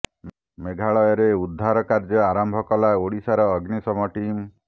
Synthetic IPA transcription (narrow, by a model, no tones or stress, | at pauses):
meɡʱaɭɔjɔɾeud̪ʱːaɾɔkaɾd͡ʒɔaɾɔmbʱɔkɔlaoɽisaɾɔːɡnisɔmɔʈim